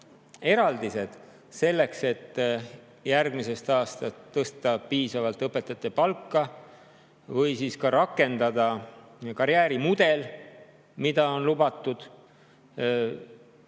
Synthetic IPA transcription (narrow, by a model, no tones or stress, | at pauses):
e̞ɾɑld̪ise̞d̪̥ | se̞lːe̞kse̞t̪ː | jærɡ̥mise̞st̪ɑːst̪ɑt̪ːɤst̪ɑpiːsɑvɑlt̪ɤpːˑe̞t̪ːˑɑt̪ːˑepɑlkːɑ | vɤjsiːskɑɾɑkːe̞nd̪̥ɑd̪̥ɑkɑɾjæːɾimud̪̥e̞l | mid̪̥ɑo̞nlubɑt̪ˑːud̪̥